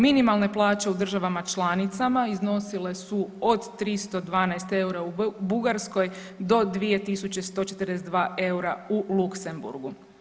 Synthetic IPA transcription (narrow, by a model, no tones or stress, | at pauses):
minimalˠne̞plˠaːt͡ʃe̞ud̪r̩ʒaʋamat͡ʃlˠaːnit̪samaizno̞sile̞suo̞d̪t̪ɾist̪o̞d̪ʋaːnaest̪e̞uɾaubuɡaɾsko̞j | d̪o̞d̪ʋije̞t̪isut͡ɕe̞st̪o̞ːt͡ʃe̞t̪ərd̪es̬ed̪ʋaːʔe̞uɾaulukse̞mbṵɾɡu